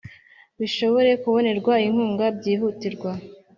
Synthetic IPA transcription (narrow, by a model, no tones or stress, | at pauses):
βiʃo̞βo̞ɾe̞kuβo̞ne̞ɾɡwaim̥huːŋɡabɟiːɦutiɾɡwa